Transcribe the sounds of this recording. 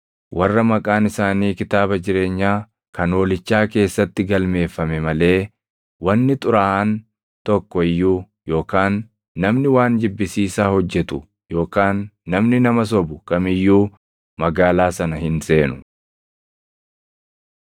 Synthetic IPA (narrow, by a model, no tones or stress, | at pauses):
wʔɐrːɐmɐkʼaːnɪsaːniːkɪt̪aːbɐd͡ʒɪɾe̞ːɲːaː | kɐnoːlɪt͡ʃːaːke̞ːsːɐt̪ːɪɡɐlme̞ːfːɐmɛmɐle̞ː | wɐnːɪt̪ʼʊɾaːʔɐn | t̪ɔkːɔɪjːuː | jo̞ːkaːnː | ɐmnɪwaːnd͡ʒɪbːɪsiːsaːhɔd͡ʒːɛt̪ʊ | jo̞ːkaːnːɐmnɪnɐmɐs̬ɔbʊkɐmɪjːuː | mɐɡaːlaːsɐnɐhɪnse̞ːnʊ